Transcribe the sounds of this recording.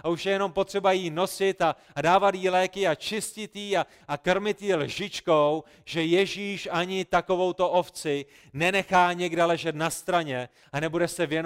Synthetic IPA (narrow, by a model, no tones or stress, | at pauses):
auʃjɛjɛno̞mpo̞t̪r̝̥ɛbajino̞sɪt̪a | daːvat̪jiːlɛːkɪat͡ʃɪscɪt̪jiːa | akr̩mɪt̪jilʒɪt͡ʃkow | ʒ̥ɛjɛʒiːʃaɲɪt̪ako̞vo̞wt̪o̞ʔo̞ft͡sɪ | nɛnɛxaːɲɛɡdɛlɛʒɛt̪nast̪ɾaɲɛ | anɛbudɛsɛvjɛn